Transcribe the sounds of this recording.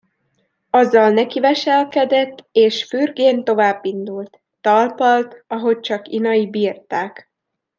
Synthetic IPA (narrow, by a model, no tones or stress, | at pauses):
ɒzːɒlnɛkivɛʃɛlkɛd̪ɛt̪ːeːʃfyrɡeːnt̪o̞vaːbːind̪ult̪ːɒlpɒlt̪ɒɦo̞c̚t͡ʃɒkinɒjibiːrt̪aːk